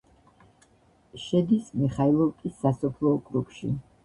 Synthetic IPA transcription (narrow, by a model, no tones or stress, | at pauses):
ʃɛd̪ismiχailˠɔvkʼisːasɔpʰlˠɔːkʼɾukʰʃḭ